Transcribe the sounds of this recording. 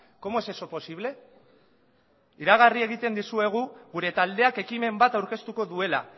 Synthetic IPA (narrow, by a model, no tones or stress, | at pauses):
ko̞moe̞se̞so̞po̞siβle̞ | iɾaɣ̞arie̞ɣ̞it̪e̞nd̪isue̞ɣ̞uɣuɾe̞t̪ald̪e̞ake̞kime̞mbat̪awɾke̞st̪uko̞ðue̞la̰